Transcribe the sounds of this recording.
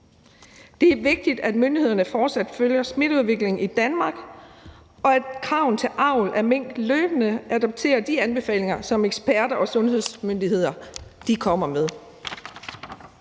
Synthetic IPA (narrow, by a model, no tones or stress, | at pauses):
d̥e̝æʋe̝ɡ̥̚d̥id̥æd̥mønd̥ihe̝ðˠɐnəfɒːd̥sæd̥føljɐsme̝ɾ̥uð̞ˠʋe̝ɡ̥le̝ŋid̥ænmɑ̈ːɡ̥ | ɒ̽æd̥kʰʁɑ̈ʊn̩t͡sʰe̝lʔɑ̈ʊ̰lʔæɐmeŋ̰d̥løːb̥ənəʔæd̥ɒ̽b̥̚t͡sʰe̝̰ːɐd̥iænb̥e̝fɛ̰ːle̝ŋɐsɒ̽meɡ̥sb̥æɐɾɐʔɒ̽sɔ̽nɦe̝ð̞̰ˠsmønd̥iɦe̝ð̞̰ˠɐd̥ikʰɒ̽m̰ɐmeð̞ˠ